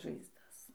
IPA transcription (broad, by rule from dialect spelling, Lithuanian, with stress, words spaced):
ʒɐɪzˈdɐs